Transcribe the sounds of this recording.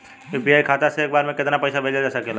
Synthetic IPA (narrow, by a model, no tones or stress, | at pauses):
biaːikʰaːt̪aseeːk̚baːɾmẽkɪt̪napəjsabʱeːld͡ʒad͡ʒaːsakeːla